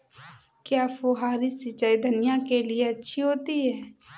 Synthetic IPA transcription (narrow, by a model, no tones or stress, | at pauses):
kjaːfoɦaːɾisɪt͡ʃaːid̪ʱɐnɪjakelieɐtːʃʰiɦoːt̪iɦɛː